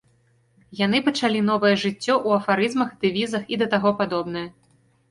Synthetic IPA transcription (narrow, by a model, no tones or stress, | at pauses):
jan̪ɨpɐt͡ʂalʲin̪ɔvɐjɛʐɨt͡sʲːɔʔuɐfaɾɨzmɐxd̪ɨvʲizɐxid̪ɐt̪aɣɔpad̪ɔbn̪ɐjɐ